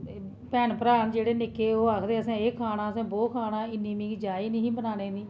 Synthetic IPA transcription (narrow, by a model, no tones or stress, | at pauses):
pɛːnpəɾaːnd͡ʒeːɽeːnɪkeːoːaːkʰd̪eːəsãːeːkʰaːɽ̃ãːəsãːboːkʰaːnãːɪnːiːmĩːkd͡ʒaːiːnĩːɦĩːbənaːneːniː